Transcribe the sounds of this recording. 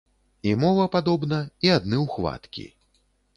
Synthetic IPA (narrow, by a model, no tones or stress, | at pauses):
imɔvɐpad̪ɔbnɐiad̪nɨwxva̰t̪kʲḭ